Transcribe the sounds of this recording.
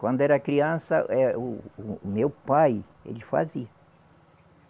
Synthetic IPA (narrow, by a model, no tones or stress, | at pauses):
kwɐ̃nd̪ʊɛɾɐkɾiɐ̃sɐʔɛumewpaj | ḛlɪfa̰ziɐ